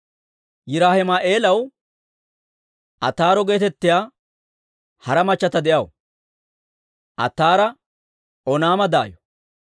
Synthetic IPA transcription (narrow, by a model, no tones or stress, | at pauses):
jɪɾaːhɪmaːʔe̞ːlɐw | ʔɐt̪ːaːɾɔɡe̞ːt̪ɛt̪ːɪjaː | hɐɾɐmɐt͡ʃːɐt̪ɐd̪ɛʔɐw | ʔɐ̰t̪ːaːɾɐ | ɔnaːmɐd̪aːjɔ̥